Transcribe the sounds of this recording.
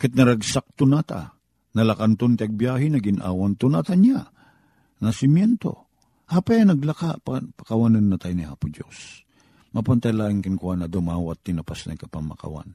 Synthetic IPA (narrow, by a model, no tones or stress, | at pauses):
kɪt̪̚nɐɾaɡsak̚t̪ʊnat̪a̰ | nɐlakant̪ont̪ɪɐɡ̚bjaːɦɪnɐɡɪnʔa̰ːwant̪ʊnat̪aɲa | nɐsɪmjɛnt̪o̰ | hapajɐnɐɡlɐkapapɐ̥kawanɐnːɐt̪ajniha̰ːpʊd͡ʒo̰s | mapant̪ajlaːʔɪŋkɪnkwanɐd̪ʊomaːwat̪ːɪnɐpasnɐ̰jkɐpaŋmɐ̰ka̰wa̰n